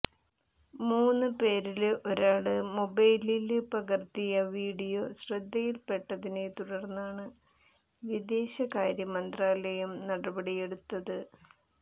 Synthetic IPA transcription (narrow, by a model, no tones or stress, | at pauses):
muːnːɨpe̞ːɾilʔo̞ɾaːɽɨmo̞bɐjlilpɐɣɐrt̪ijɐʋiːɽijo̞ɕrɐd̪ːɐjilpe̞ʈːɐðinet̪uɽɐrnːaːɳɨ | ʋid̪e̞ːɕɐkaːɾjɐmɐnd̪raːlɐjɐmnɐɽɐbɐɽije̞ɽut̪ːɐðɨ